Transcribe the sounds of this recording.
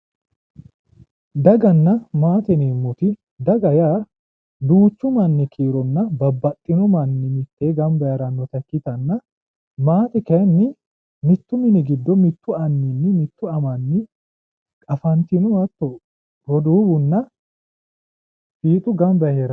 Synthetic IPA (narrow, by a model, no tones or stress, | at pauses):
d̪ɐɡɐnːɐmaːt̪ɛneːmːʊt̪ɪ | d̪ɐɡɐjaː | d̪uːt͡ʃːʊmɐnːɪkʰiːɾɔnːɐbɐbːɐt̪ʼːɪnʊmɐnːɪmɪt̪ːeːɡɐmbɐjɐɾɐnːɔt̪ɐkːɪt̪ɐnːɐ | maːt̪ɛkɐnːɪ | mɪt̪ːʊmɪnɪɡɪd̪ːɔmɪt̪ːʊɐnːɪnːɪmɪt̪ːʊɐmɐnːɪ | kʼɐfɐnt̪ɪnʊwɐt̪ːɔ | ɡɔd̪uːbʊnːɐ | fiːt̪ʼʊɡɐmbɐheɾɐ